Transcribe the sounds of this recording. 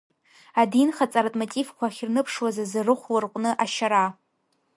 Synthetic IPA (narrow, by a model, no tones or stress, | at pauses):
adinχat͡sʼaɾatʼmotʼivkʷʰaχʲrnɨpʰʂwazazarɨχʷlɨrqʷʼnɨʔaʃaɾa